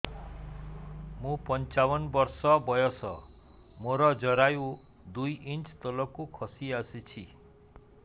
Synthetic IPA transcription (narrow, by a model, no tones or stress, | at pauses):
mũpɔnt͡ʃawɔnbɔɾsɔbɔjɔsɔ | moɾɔd͡ʒɔɾajũ | d̪ujint͡ʃt̪ɔlɔkukʰɔsiasit͡ʃʰi